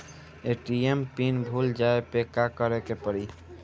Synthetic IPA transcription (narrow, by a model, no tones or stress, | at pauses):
eʈiempinbʱuld͡ʒaepekːakəɾekepəɾi